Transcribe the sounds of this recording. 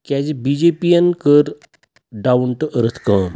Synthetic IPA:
kad͡ʑibid͡ʑepijənkəɾ | ɖawɳʈəʔəɾət̪ʰkə̃ːm

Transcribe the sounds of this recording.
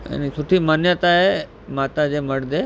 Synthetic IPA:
ḛnisʰoʈʰimənjət̪ae | maːt̪ad͡ʒeməɽd̪e

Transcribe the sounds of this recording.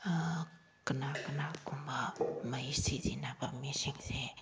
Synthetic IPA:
kənakənakumbamaist͡sizinapamesiŋiz̥e

